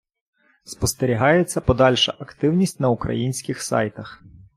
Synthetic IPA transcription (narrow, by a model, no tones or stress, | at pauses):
spɔst̪eɾʲiɦɑjet͡sʲːɐpɔd̪ɑlʲʃɐʔɐkt̪ɪwnʲisʲtʲnɐukɾɐ̰jinʲsʲkɪxsɑ̰jt̪ɐx